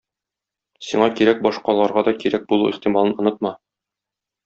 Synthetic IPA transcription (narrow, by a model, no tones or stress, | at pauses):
siɴɑkiɾæk̚bɒʃqɑlˠɑɾʁɑd̪ɒkiɾæk̚bulˠuiχt̪imɑlˠɤnŏnɤt̪̚mɑ